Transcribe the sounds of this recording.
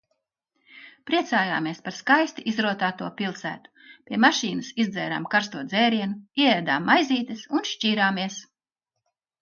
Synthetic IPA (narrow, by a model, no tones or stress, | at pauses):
pɾiɛt̪saːja̰ːmiɛspaɾskajst̪iʔizɾuɔt̪aːt̪uɔpʲilˠsæ̰ːt̪u̥pʲiɛmaʃiːnusizd̪zɛːɾa̰ːmkaɾst̪uɔd̪zɛːɾiɛnuiɛɛːd̪aːmːajzʲiːt̪ɨsunʃciːɾaːmiɛs